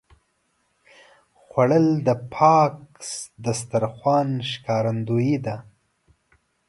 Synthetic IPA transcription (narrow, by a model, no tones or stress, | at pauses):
xwaɽəld̪əpʰɑksd̪əst̪aɾxwɑnʃkɑɾand̪ujid̪a